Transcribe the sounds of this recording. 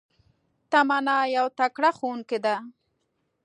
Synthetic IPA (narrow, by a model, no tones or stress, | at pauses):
t̪amanɑjawt̪akɽaxounked̪a